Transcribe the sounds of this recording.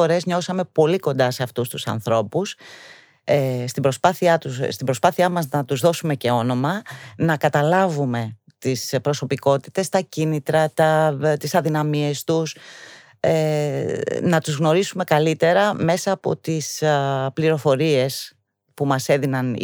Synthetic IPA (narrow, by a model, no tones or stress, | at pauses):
o̞ɾe̞zɲo̞sɐme̞po̞liko̞nd̪ɐse̞ɐft̪ust̪usɐ̰nθɾo̞pus | est̪ibɾo̞spɐθiɐt̪usst̪ibɾo̞spɐθiɐmɐznɐt̪uzðo̞sume̞ce̞o̞no̞mɐnɐkɐt̪ɐlɐvume̞ | t̪ispɾoso̞piko̞t̪i̥t̪e̞st̪ɐcinit̪ɾɐt̪ɐt̪isɐðinɐmie̞st̪us | e | nɐt̪uzɣno̞ɾisume̞kɐlit̪e̞ɾɐme̞sɐːpo̞̰t̪ispliɾo̞fo̞ɾie̞s | pumɐse̞ðinɐn